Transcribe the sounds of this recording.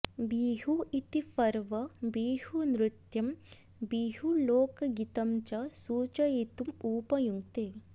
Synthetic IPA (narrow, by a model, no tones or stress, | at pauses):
biːɦuit̪ipɐɾʋɐbiːhunɾit̪jɐm | biːɦuloːkɐɡit̪ɐmt͡ʃɐsuːt͡ʃɐet̪umuːpɐjuŋt̪eː